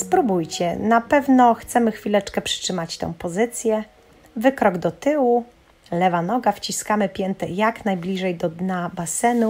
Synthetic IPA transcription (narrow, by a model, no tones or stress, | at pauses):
spɾubujt͡ɕɛnapɛvnɔxt̪sɛmɘxfʲilɛt͡ʂkɛpʂɘ̥tʂɘmat͡ɕt̪ɛ̰̃w̃pɔzɘt̪sʲjɛ | vɘkɾɔɡd̪ɔt̪ɘwu | lɛvanɔɡaft͡ɕiskamɘpʲjɛnt̪ɛjaknajblʲiʐɛjd̪ɔd̪ɲabasɛnu